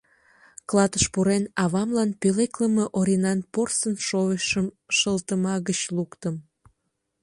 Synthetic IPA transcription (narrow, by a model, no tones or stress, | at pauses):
klɑt̪əʃpuɾenɑβɑmlɑnpølekləməʔoɾʲinɑnporsənʃoeʃəmʃəlt̪əmɑɣət͡ɕlukt̪əm